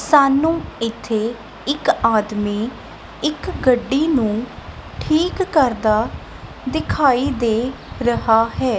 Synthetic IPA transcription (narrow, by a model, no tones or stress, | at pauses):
saːnũːɪt̪ʰːeː | ɪkaːd̪miː | ɪkɡəɖːiːnũːʈʰiːkːəɾd̪aː | d̪ɪkʰaːiːd̪eː | ɾəɦaːɦɛː